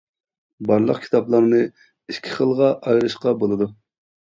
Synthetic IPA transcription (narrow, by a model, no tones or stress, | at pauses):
bɑɾlˠə̰qkʲʰi̥t̪ʰɑplˠɑɾnɨ | iʃkʲʰiχəlˠʁɑʔɑjɾɨʃqɑbolˠɨd̪u